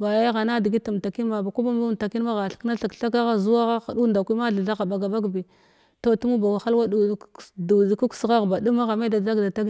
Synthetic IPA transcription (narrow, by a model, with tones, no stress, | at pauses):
ba˨ja˦ɣa˨na˦di˨ɡi˦ta˨m˨ta˨ki˦nma˨ba˨ku˦ba˦m˦u˦˨ta˨ki˦ma˦ɣa˨ɬkna˦ɬa˨kɬa˦k̬a˦ɣa˦zu˦wa˦ɣa˦xa˨du˦˨nda˨kʷi˦ma˦ɮa˨ɮa˦ɣa˨ba˨ɡa˨ba˦ɡbi˨ | to˨tu˦mu˦ba˨wa˨xa˦lwa˦du˨˦du˨zi˨ku˦ksɣa˦ɣba˨du˦ma˦ɣa˨me˦da˨da˦ɡda˨ta˦k